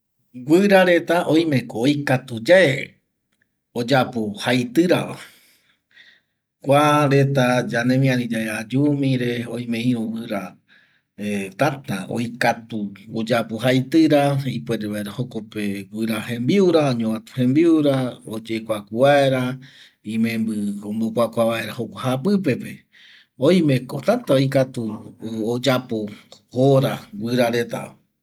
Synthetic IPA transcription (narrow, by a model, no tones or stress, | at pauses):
ɡʷɨɾaɾe̞t̪aʔõj̃mẽ̞koːjkat̪ud͡ʒae | od͡ʒapuhajt̪ɨɾa̰βa̰ | kʷaɾe̞t̪ad͡ʒanẽmĩãnĩd͡ʒaead͡ʒumĩɾe̞õj̃mẽĩõwɨɾa | et̪at̪ao̰jkat̪uod͡ʒapuhajt̪ɨɾaipweɾeβaeɾahokopewɨɾahẽ̞mbiuɾaoɲoβat̪u̥hẽmbiuɾaod͡ʒekʷakʷuβaeɾa | ĩmẽ̞mbɨõmbokʷakʷaβae̞ɾahokʷahapɨpe̞pe̞ | oj̃mẽ̞kot̪at̪aojkat̪uod͡ʒapohoɾawɨɾaɾe̞t̪a̰